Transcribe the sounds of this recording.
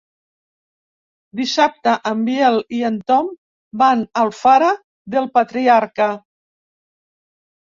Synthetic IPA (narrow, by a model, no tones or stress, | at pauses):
d̪isap̚t̪aʔəmbjɛliənt̪ɔm | banəlˠfaɾa | ðəlˠpat̪ɾiaɾkə